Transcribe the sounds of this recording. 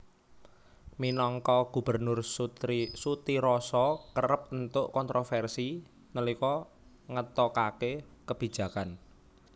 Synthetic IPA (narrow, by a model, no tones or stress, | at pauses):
minɔŋkɔɡ̥ṳb̥ə̤rnʊrsuisut̪iɾɔsɔkəɾəp̚ənt̪ʊʔkɔnt̪ɾʔofɛrsi | nəlikɔ | ŋət̪ɔkakekəb̥i̤̥ʒ̥ä̤kan